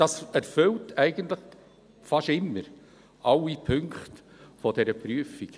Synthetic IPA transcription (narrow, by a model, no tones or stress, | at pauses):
ɑsæɾfʏltæɪɡ̥əntləχ | fɑʃɪmːəɾ | ʔɑlipʰɵŋkχt | fɔdɛɾəpɾyːəfik